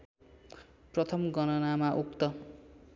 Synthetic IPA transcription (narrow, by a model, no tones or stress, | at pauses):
prʌt̪ʰʌmɡʌnʌnamaʔukt̪ʌ